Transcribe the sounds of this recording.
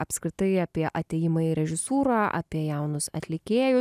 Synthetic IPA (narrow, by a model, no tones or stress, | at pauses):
ɐpskʲɾʲɪt̪ɐɪɐːpʲiɛʔɐt̪ʲeːjɪmɐiɾʲɛʒʲɪsuːɾɑːʔɐ̰pʲiɛjɛʊnʊsɐ̰t̪ʲlʲɪkʲeːjʊ